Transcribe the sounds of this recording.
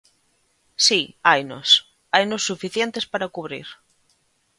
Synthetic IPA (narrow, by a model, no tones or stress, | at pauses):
siajno̰s | ajnosːufiθjent̪espaɾakuβ̞ɾḭɾ